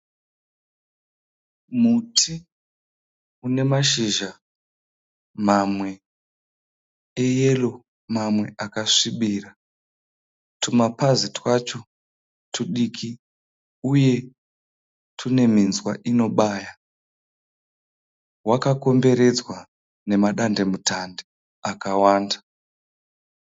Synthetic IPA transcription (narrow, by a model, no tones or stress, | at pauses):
mutʰi | une̞maʃiʒa | mamwe̞ | ejelo | mamwe̞ʔakaʂiɓiːra | tʰumapazitwat͡ʃo̞ | tʰuɗikʰi | uje̞ | tʰune̞minzwa̰ʔino̞ɓaːja | wakako̞mbe̞ɾe̞d͡zwa | ne̞maɗande̞mutande | akawaːnda